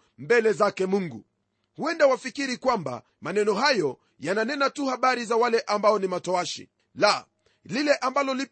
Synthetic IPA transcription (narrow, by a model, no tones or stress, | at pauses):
mbɛlɛzakɛmuŋɡu | huɛndawafikiɾikwamba̰ | manɛnɔɦajɔ | jananɛnatuhaɓaɾizawalɛʔambaɔnimatɔaʃḭ | la | lilɛʔambalɔli